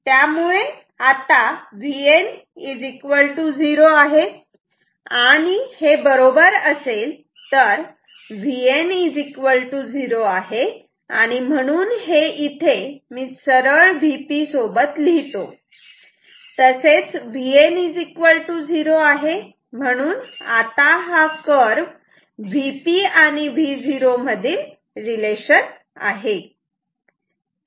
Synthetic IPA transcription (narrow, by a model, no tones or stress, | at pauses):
t̪jamuɭe | at̪aʋien | id͡zikʋəɭʈuːd͡ziɾoaɦe | aɽ̃ihebəɾobəɾəsel | t̪əɾ | ʋienid͡zikʋəlʈuːd͡ziɾoaɦe | a̰ɽ̃im̤əɽ̃uːnheʔit̪ʰemiːsəɾəɭʋipisobət̪liɦt̪o | t̪əset͡sʋienid͡zikʋəlʈuːd͡ziɾoaɦe | m̤əɽ̃uːnat̪aɦakəɾʋ | ʋipiaɽ̃iʋiːd͡ziɾoməd̪ʱiːɾ | ɾileɕəɾ | a̰ɦe